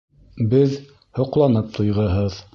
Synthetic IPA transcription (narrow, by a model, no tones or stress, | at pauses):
bɘð | hŏqlˠɑnɤp̚t̪ʰŏjʁɤɦɤð